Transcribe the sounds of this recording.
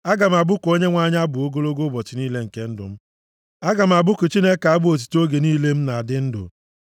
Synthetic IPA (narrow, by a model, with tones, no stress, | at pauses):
a˦ɡa˨m̩˨a˨bʊ˦ko˦ɲe˦ŋʷa˦ɲ˦a˦bʊ˨o˦ɡo˦lo˦ɡo˦bɔ˨t͡ʃɪ˨niː˦le˦ŋ̩˨ke˦n̩˦dʊ̰˨m̩˦ | a˦ɡa˨m̩˨a˨bʊ˦kʊ˨t͡ʃi˦ne˦ka˨a˦bʊ˦o˨t̬i̥˨to˦ɡe˨niː˦le˦m̩˦na˨a˨dɪ˦n̩˦dʊ̰˨